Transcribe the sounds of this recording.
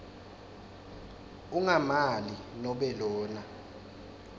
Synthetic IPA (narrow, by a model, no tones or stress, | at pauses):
uŋamalinɔɓɛlɔːna